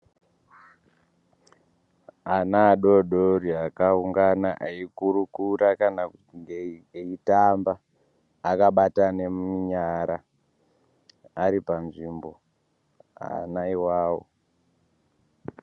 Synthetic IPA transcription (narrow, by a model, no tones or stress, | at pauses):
anaːɗo̞ɗoɾiakauŋɡanaʔaikuɾukuɾakana | ŋɡeeitambaː | kaɓatane̞muɲaɾa | aɾipanʐimbo̞̰ | a̰naiwaːwo̰